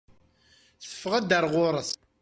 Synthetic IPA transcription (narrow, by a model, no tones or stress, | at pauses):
θə̥fːəʁæd̪əɾˤʁʊɾˤəθ